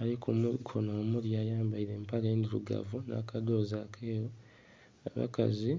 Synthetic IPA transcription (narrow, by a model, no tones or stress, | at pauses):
alikʰumukʰonoːmuɾjaːjaːmbaiɾe̞ːmpaleːndiɾṵɡa̰vuna̰kʰado̞ːzakʰeːjo | aβa̰ka̰zi